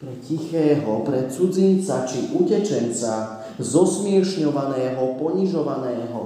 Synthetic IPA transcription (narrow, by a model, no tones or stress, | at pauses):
pɾɛcixɛːɦɔpɾɛt͡sud͡zint͡sat͡ʃiʔucɛt͡ʃɛnt͡sa | zɔsmɪɛʃɲɔʋanɛːɦɔpɔɲiʒɔʋanɛːɦɔ̰